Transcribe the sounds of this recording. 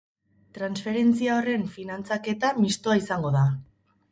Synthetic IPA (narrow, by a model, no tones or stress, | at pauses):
t̪ɾansfe̞ɾe̞nt͡siao̞re̞ɱfinant͡sake̞t̪amist̪oaisaŋɡo̞ða